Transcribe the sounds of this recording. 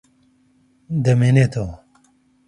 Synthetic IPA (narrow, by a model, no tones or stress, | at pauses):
d̪ɐmenet̪ʰo